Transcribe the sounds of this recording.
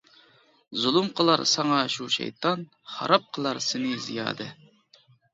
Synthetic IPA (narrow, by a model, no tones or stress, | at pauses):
zulˠumqʰəlˠɑɾsɑŋɑʃuʃɛ̰jt̪ʰɑn | χɑ̰ɾɑp̚qʰəlˠɑɾsɪnɪzḭjɑ̰ːd̪ɨ